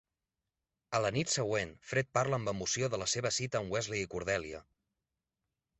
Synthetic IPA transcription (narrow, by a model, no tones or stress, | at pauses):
ələnit̪səɣwenfɾet̪̚paɾləːmbəmusioðələseβ̞əsit̪əːmwɛzleikuɾð̞ɛliə̰